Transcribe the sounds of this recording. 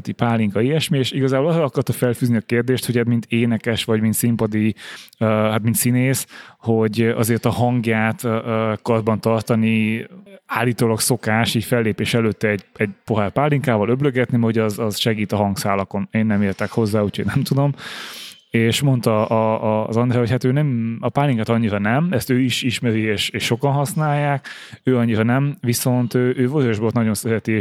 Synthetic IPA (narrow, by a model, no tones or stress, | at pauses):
t̪ipaːlːiŋkɒiɛʃmieʃiɡɒzaːbo̞lɒzɒlɒkɒrt̪ɒfɛlfyːzniɒkeːrd̪eːʃt̪ho̞ɟɛt̪mint̪eːnɛkɛʃʋɒɟmint̪simpɒd̪i | ɦat̪mint̪sineːsho̞ɟɒ̰zeːrt̪ɒɦɒŋɡjaːt̪ːkɒrbɒnt̪ɒrt̪ɒni | aːlːiːt̪oːlɒkso̞kaːʃiːcfɛlːeːpeːʃɛløːt̪ːɛɛɟɛɟ̚po̞ɦɛrpaːlːiŋkaːvɒlø̞bløɡɛt̪nimɛɦoɟɒzɒzʃɛɡiːt̪ɒɦɒŋɡsaːlɒko̞neːnːɛmeːrt̪ɛkho̞zːaːucʰoɟnɛmt̪ud̪o̞m | eːʃmo̞nt̪ɒʔːzɒnd̪rɛɦo̞chat̪øːnɛmɒpaːlːiŋkat̪ɒɲːiɾɒnɛmɛst̪øːiʃiʃmɛɾieːʃeːʃːo̞kɒnɦɒsnaːjːaːk | øːɒɲːiɾɒnɛmviso̞nt̪øːʔøːvoɾojoʒbolt̪nɒɟo̞nsɛɾɛt̪i